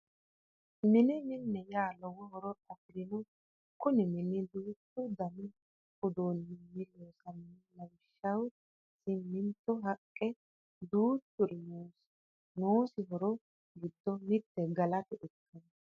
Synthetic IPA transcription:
mɪnɪmɪnːɛjaːlɔwɔhɔɾɔɐfɾɪnɔ | kʊnɪmɪnɪd̪uːt̪ːʊd̪ɐmɪ | ʊd̪unːɪnːɪloːsɐnɪnɪlɐjʃːɐw | sɪmːɪnt̪ːɔɦɐkʼːɛ | d̪uːt̪ːʊɾɪnoːs | noːsɪɦɔɾɔ | ɡɪd̪ːɔmɪt̪ːɛɡɐlɐt̪ɛʔɛkʰːɐn

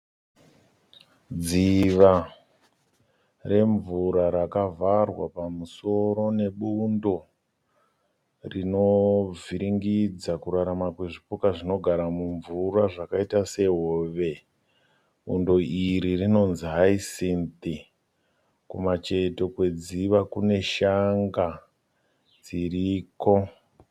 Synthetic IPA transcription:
d͡ziʋa | re̞ɱvuɾaɾakavarwa̰pamuso̞ɾo̞ne̞ɓundo̞ | rino̞vʱiɾiŋɡid͡zakuɾaɾamakwe̞ʐipukaʐino̞ɡʱaɾamuɱvuɾaʐakaitase̞ɦoʋe̞ | ɓṵndo̞iɾirino̞nziɦaisint̪i | kumat͡ʃe̞to̞kwe̞d͡ziʋakune̞ʃaŋɡa | d͡ziriːko̞

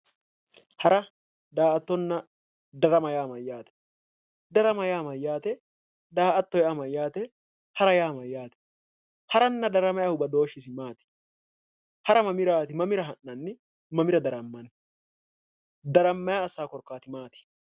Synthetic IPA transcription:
hɐɾɐ | d̪aːʔɐt̪ːɔnːɐ | d̪ɐɾɐmɐjaːmɐjːaːt̪ɛ̥ | d̪ɐɾɐmɐjaːmɐjːaːt̪ɛ | d̪aːʔɐt̪ːɔjɐmɐjːaːt̪ɛ | hɐɾɐjaːmɐjːaːt̪ɛ̥ | hɐɾɐnːɐd̪ɐɾɐmɐjahʊbɐd̪o̞ːʃɪsɪmaːt̪ɪ̥ | hɐɾɐmɐmɪɾaːt̪ɪmɐmɪɾɐɦɐnːɐnːɪ | mɐmɪɾɐd̪ɐɾɐmːɐn | d̪ɐɾɐmːɐjaːsːaːkɔɾkːaːt̪ɪmaːt̪ɪ̥

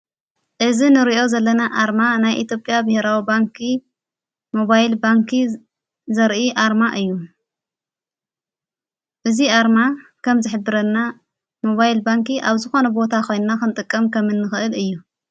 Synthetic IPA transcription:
ʔɨzinɨɾiʔo̞zɐlːɐnaʔaɾmanajʔit̪ʰjo̞pʼjabɨheɾawibaŋkʰi | mo̞βajlbaŋkʰi | zɐɾʔiʔaɾmaʔɨjːu | ʔɨziʔaɾmakʰɐmzɨħɨbɨɾɐlːa | mo̞βajlbaŋkiʔaβzɨxo̞nɐbo̞t̪ʰako̞jnnakɨnt̪ʼɨkʼːɐmkʰɐmɨnːɨxɨʔɨlɨjːu

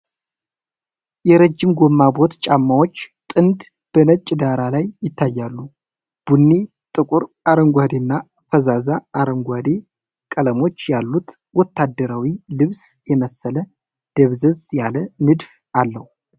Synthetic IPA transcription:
jɛɾəd͡ʒːɪmɡo̞mːabo̞t̪t͡ʃʼamːawo̞t͡ʃːt̪ʼɨnd̪ | b̥ənət͡ʃʼd̪aɾalajːɪt̪ʰːajːalːu | b̥unːi | t̪ʼɨkʼuɾ | aɾəŋɡʷad̪enːa | fəzazaːɾəŋɡʷad̪e | kʼələmo̞t͡ʃːjalːut̪ | wɔt̪ʰːad̪ːəɾawilɨβsjɛməsːələ | d̪̥əβzəzjalənɨd̪f | ʔalːəhu

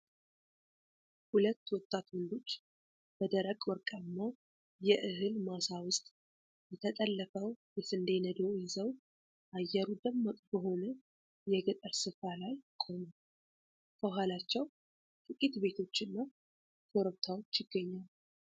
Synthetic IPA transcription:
hulət̪ːwɔt̪ʼːat̪wɔnd̪o̞t͡ʃː | b̥əd̪əɾəkʼwɔɾkʼamːa | jɛʔɨɦɨlmasawʊst̪ʼ | jɛt̪ʰət̪ʼəlːəfəwjɛsɨnd̪enəd̪ojɪzəw | ʔajːɛɾud̪əmːək̪ʼbəɦo̞nə | jɛɡət̪ʼəɾsɨfalajkʼo̞mu | bəɦʷalat͡ʃːɛw | t̪ʼɨkʼit̪be̞t̪ʰo̞t͡ʃːɨnːa | k̪ʰoɾəβ̚t̪ʰawot͡ʃːjɪɡːəɲːal

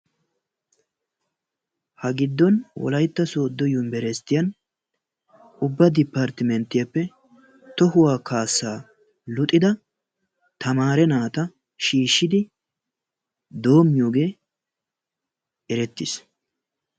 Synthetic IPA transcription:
hɐɡɪd̪ːɔnwɔ̰lɐjt̪ːɐso̞ːd̪ːɔjʊmbɛɾɛst̪ːɪjɐn | ʊbːɐd̪ɪpːaɾt̪ɪmɛnt̪ːɪjɐpːɛ | t̪ɔhʊwaːkaːsːaː | lʊt̪ʼːɪd̪ɐ | t̪ʰɐmaːɾɛnaːt̪ɐ | ʃiːʃːɪd̪ɪ | d̪o̞ːmːɪjo̞ːɡe̞ː | ɛɾɛt̪ːɪs

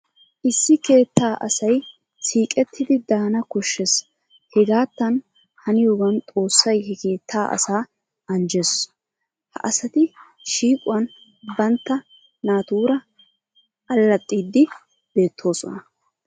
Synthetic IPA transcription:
ʔɪsːɪke̞ːt̪ːaːʔɐsɐj | siːkʼɛt̪ʰːɪd̪ɪd̪aːnɐkɔʃːɛs | hɛɡaːt̪ːɐn | hɐnɪjoːɡɐnt̪ʼo̞ːsːɐjhɛke̞ːt̪ʰːaːʔɐ̰saː | ɐnd͡ʒes | hɐ̰ʔɐsɐt̪ɪ | ʃiːkʼʊwɐn | bɐnt̪ːɐ | naːt̪uːɾɐ | ʔɐlːɐt̪ʼːiːd̪ːɪ | b̥e̞ːt̪ʰːo̞ːsɔnɐ

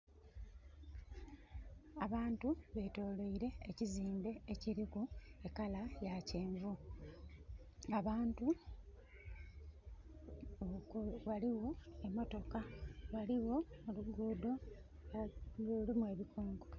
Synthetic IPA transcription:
aβaːntuβe̞to̞ːloiɾe̞ːciziːmbe̞ːciɾikue̞kalajace̞ːɱvu | aβaːntu | waliwo̞emːo̞to̞kawaliwo̞muluɡuːdo̞ | lolimue̞ːβikʰoːŋko

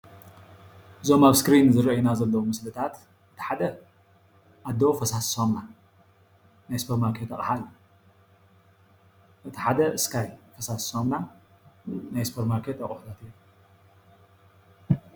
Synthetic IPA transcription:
ʔɨzo̞maβskɾinzɨɾɐjnazɐlːɐwumɨslɨt̪ʰat̪ | ʔɨt̪ʰi̥ħad̪ɐ | ʔad̪ːofɐsassomna | najsɨ̥pʰɐɾmaɾkʰet̪ɐχʼħalːu | ʔɨt̪ʰiħad̪ɐʔɨskʰajfɐsassomna | najsɨ̥pʰeɾmaɾkʰet̪ɐχʼuħut̪ʰat̪i

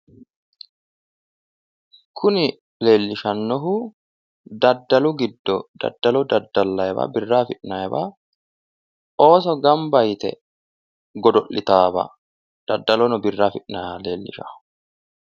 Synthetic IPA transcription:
kʰʊnɪ | le̞ːlːɪʃɐnːɔɦʊ | d̪ɐd̪ːɐlʊɡɪd̪ːɔd̪̥ɐ̰d̪ːɐlɔd̪ɐd̪ːɐlːɐjɛbɐ̰bɪrːaːfɪᶑnɐjɛba | ʔo̞ːsɔɡɐmbɐjt̪ɛ̰ | ɡɔd̪ɔʔːɪt̪aːbɐ̰ | d̪̥ɐd̪ːɐlɔnɔbɪrːaːfɪᶑnaleːlːɪ̰ʃa̰

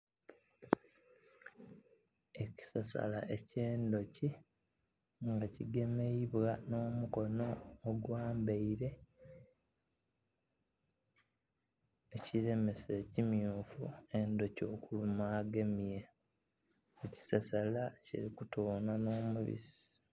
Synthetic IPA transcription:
eci̥sasa̰la̰ʔe̞ceːndo̞ci | ŋɡaciɡe̞meiβwano̞ːmuko̞no̞ːɡwaːmbeiɾe̞ | eciɾe̞me̞se̞ːcimjuːfṵe̞ndo̞co̞ːkulumaːɡe̞mije | eci̥sasalacḭɾikutoːnano̞ːmuβḭsi̥

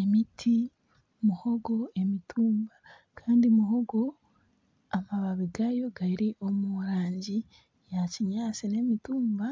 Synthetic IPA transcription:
emitʰi | muho̞ɡo̞e̞mitʰuːmba | kʰaːndimuɦoɡo̞ | amaβaβiɡajo̞ɡaɾiʔo̞muɾaːɲɟi | jaciɲaːsine̞mituːmba

